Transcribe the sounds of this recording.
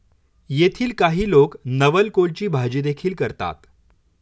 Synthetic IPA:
jet̪ʰiːlkaɦiːloknəʋəlkolt͡ɕiːbʱad͡ʑiːd̪ekʰiːlkəɾt̪a̰t̪

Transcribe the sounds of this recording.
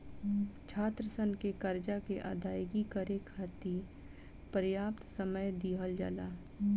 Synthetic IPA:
t͡ʃʰaːt̪ɾəsənkekəɾd͡ʒakeʔa̰ːd̪aːjɡikəɾekʰaːt̪i | pəɾjaːpt̪səməjd̪iːɦəld͡ʒa̰ːlaː

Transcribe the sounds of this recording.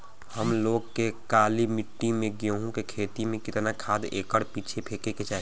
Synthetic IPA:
həmloːɡkekaːlimɪʈːimẽɡoɦũkekʰeːt̪imẽkɪt̪nakʰaːd̪eːkəɽpiːt͡ʃʰepʰekeket͡ʃaːɦe

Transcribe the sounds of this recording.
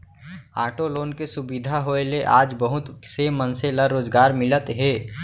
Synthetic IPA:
aːʈoloːnkesʊbid̪ʱaɦoeleʔaːd͡ʒbəɦʊt̪semənseləɾoːd͡ʒɡaːɾmɪlət̪ɦeː

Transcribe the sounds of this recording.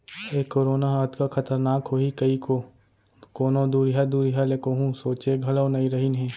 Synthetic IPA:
eːkːoːɾoːnaɐt̪kakɐt̪əɾnaːkɦoikɐiko | koːnõd̪uːɾjad̪uːɾiɦalekoɦũsoːt͡ʃeɡʱɐləwnɐĩɾɐɦinɦɛ̃ː

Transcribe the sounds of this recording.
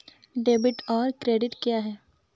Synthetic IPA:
ɖeːbɪʈɔːɾkɾeːɖɪʈkjaːɦɛː

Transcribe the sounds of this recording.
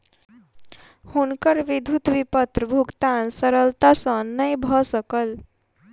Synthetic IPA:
hunkʌɾʋid̪ʱut̪bipʌt̪rəbʱukt̪ansʌɾʌlt̪asʌ̃nʌjbʱʌsʌkʌl

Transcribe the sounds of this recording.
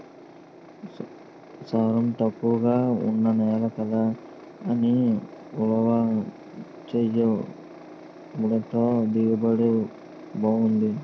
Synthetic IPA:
saːɾɐmt̪ɐkːuʋɡaːṵnːɐnɛːlɐkɐlɐː | niulɐʋɐ | t͡ʃejɐ | uɽɐt̪oːd̪iɡɐbɐɽe | bɐwund̪i

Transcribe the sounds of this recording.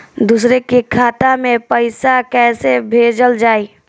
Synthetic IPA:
d̪uːsɾekekʰaːt̪amẽpəɪsakɛːsebʱeːd͡ʒəld͡ʒaːi

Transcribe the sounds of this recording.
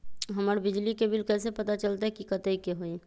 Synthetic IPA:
ɦɐmaɾbɪd͡ʒlikebɪlkɛːsepət̪at͡ʃəlt̪aɦɛkikət̪eikeɦoe

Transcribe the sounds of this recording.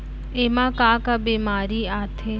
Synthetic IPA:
eːmãkaːkabeːmaːɾiaːt̪ʰe

